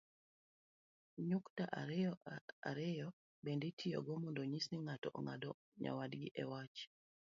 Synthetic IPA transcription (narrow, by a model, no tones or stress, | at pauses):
ɲuktaʔaɾɪɔa̰ɾɛjɔ | bendetʰiɔ̰ɡɔmɔndoɲisniŋatɔʔɔŋa̰dɔ | ɲa̰wadɡɪʔɛwat͡ʃ